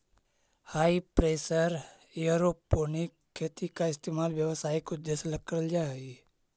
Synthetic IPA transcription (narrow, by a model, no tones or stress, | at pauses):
haːipɾeːsəɾ | juɾopːonikʰːeːt̪ikaɪst̪emaːlʋjəʋsaːikʊd̪ːeslək̚kːəɾəld͡ʒaɦi